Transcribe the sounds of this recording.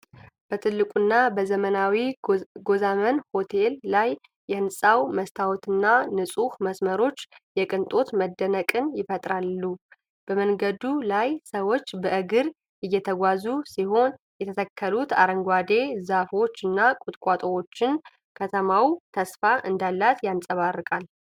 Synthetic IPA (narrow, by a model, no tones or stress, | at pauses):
b̥ət̪ʰɨlːɨkʼunːabəzəmənawiɡo̞zamənho̞t̪ʰe̞lːajː | ɛɨnsʼawməst̪ʰawt̪ʰɨnːanɨsʼuhməsməɾo̞t͡ʃːjɛkʼɨnt̪ʼo̞t̪məd̪ːənəkʼɨnjɪfət̪ʼɾalːu | b̥əmənɡəd̪ulajsəwo̞t͡ʃːbəʔɨɡɨɾ | ɪjːɛt̪ʰəɡʷazusihɦo̞n | jɛt̪ʰət̪ʰəkʰːəlut̪aɾəŋɡʷwad̪e̞zafo̞t͡ʃːɨnːakʼut̪ʼkʼat̪ʼowo̞t͡ʃːɪn | kʰət̪ʰəmawt̪ʰəsfaʔɨnd̪alːat̪jansʼəβarːɨkʼal